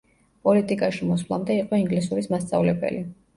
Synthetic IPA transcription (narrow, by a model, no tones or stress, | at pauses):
pʼɔlit̪ʼikʼaʃimɔswlˠa̰md̪ɛiqʼɔiŋɡlisuɾismast̪sʼavlɛbɛ̰li